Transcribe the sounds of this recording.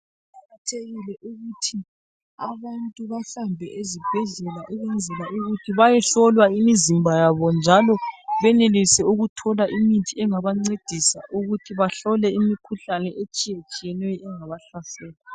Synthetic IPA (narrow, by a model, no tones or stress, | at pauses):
aɣatʰeɣilɛʔuɣutʰi | aβantʼuβaɬambʱɛʔezib̥ʱɛɮɛlaʔuɣwɛnd͡zʱɛlaʔuɣutʰiβajɛɬɔlwaimizimbʱajaβɔnd͡ʒʱalɔβɛnelisɛuɣutʰɔlaʔimintʰʼiɛŋaβaŋ͡ǀed̥ʱisaʔuɣutʰiβaɬɔlɛimikʰuɬanɛʔet͡ʃʼijet͡ʃʼijɛnɛjɔɛŋaβaɬasɛːla